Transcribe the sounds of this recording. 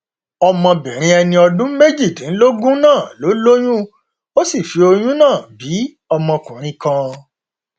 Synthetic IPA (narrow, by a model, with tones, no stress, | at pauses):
ɔ˧mɔ̃˧bɛ˨ɾ̃ĩ˧ɛ˧nĩ˧ɔ˧dũ˦me˦d͡ʒi˦˨tĩ˨n̩˦lo˦ɡũ˦nãː˦˨lo˨˦lo˦j̃ũ˦ | o˦si˦˨fi˨˧o˧j̃ũ˦nãː˦˨bi˨˦ | ɔ˧mɔ̃˧kũ˨ɾ̃ĩ˧˦kã˧